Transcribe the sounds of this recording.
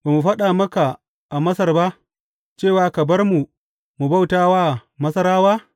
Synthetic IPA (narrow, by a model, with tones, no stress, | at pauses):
ba˨mu˨ɸɐ˦ɗaː˨mɐ˦ka˨ | ʔa˨mɐ˦sɐ˦˨rba˦ʔ | t͡ʃeː˦˨waː˨˦kɐ˨bɐ˦rmu˨ | mu˨ba˦˨wtaː˦waː˦˨mɐ˦sɐ˦ɾaː˦waː˦